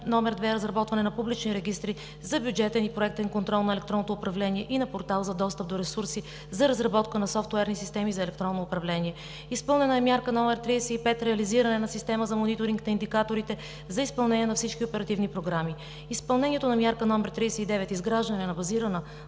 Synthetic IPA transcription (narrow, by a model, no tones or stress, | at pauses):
nɔmɛɾd̪vɛɾəzɾɐbɔt̪vɐnɛnɐpublit͡ʃniɾɛɡ̟ist̪ɾi | zɐbjud͡ʒɛt̪ɛnipɾoɛk̚t̪ɛnkont̪ɾɔlˠnɐɛlɛk̚t̪ɾɔnot̪oːpɾɐvlɛniɛʔinɐpoɾt̪alˠzɐd̪ɔst̪əp̚d̪oɾɛsuɾsi | zɐɾɐzɾɐbɔt̪kənɐsɔft̪uɛɾnisist̪ɛmizɐɛlɛk̚t̪ɾɔnːoːpɾɐvlɛniɛ | ispɤlˠnɛnəɛmjaɾkənɔmɛɾt̪ɾisɛipɛt̪ɾɛɐliziɾənɛnɐsist̪ɛməzɐmonit̪oɾiŋknɐind̪ikat̪oɾit̪ɛ | zɐispɐlˠnɛniɛnɐfsit͡ʃkʲiopɛɾɐt̪ivnipɾoɡɾami | ispɐlˠnɛnʲiɛt̪onɐmʲjaɾkənɔmɛɾt̪ɾisɛid̪ɛvɛt̪izɡɾaʒd̪ənɛnɐbɐziɾənə